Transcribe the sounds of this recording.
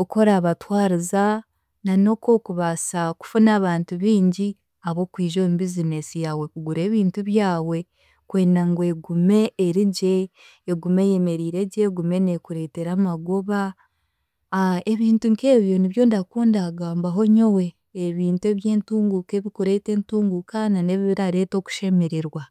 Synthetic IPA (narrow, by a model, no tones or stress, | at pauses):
oko̞ɾaːβatwaːɾiza | nano̞ko̞kuβasaku̥funaːβaːntuβiːɲɟi | aβo̞kwiːʒoːmbizine̞sijawe̞kuɡuɾe̞ːβiːntuβjaːwe̞ | kwe̞ːndaŋɡwe̞ɡume̞ːɾiɟe̞ː | ɡumeje̞me̞ɾiːɾe̞ɟeɡume̞nekuɾe̞ːte̞ɾamaɡoβa | eβiːntuŋke̞ːβjo̞niβjo̞ːndakuːndaːɡaːmbaɦo̞ɲowe̞ː | βiːntue̞ːβje̞ːntuːŋɡukeβikuɾe̞te̞ːntuːŋɡukʰanane̞βiβiɾaɾe̞ːto̞ːku̥ʃe̞me̞ɾe̞ɾwa